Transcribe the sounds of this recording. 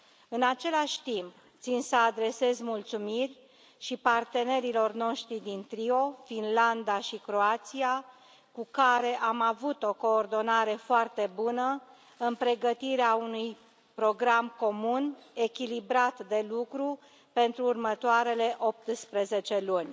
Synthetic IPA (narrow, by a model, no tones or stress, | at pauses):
ɨnat͡ʃe̞laʃʲt̪imp | t̪sinsəad̪ɾe̞se̞zmult̪sumirʲ | ʃipart̪e̞ne̞ɾilo̞rno̞ʃt̪ɾid̪int̪ɾio̞finland̪aʃikɾo̞at̪sia | kukaɾe̞ʔamavut̪o̞ko̞ːrd̪o̞naɾe̞foart̪e̞bunə | ɨnpɾe̞ɡət̪iɾeaunuj | pɾo̞ɡɾamko̞mune̞kʲilibɾat̪d̪e̞lukɾu | pe̞nt̪ɾuːrmət̪oaɾe̞le̞ʔo̞p̚t̪spɾe̞ze̞t͡ʃe̞lunʲ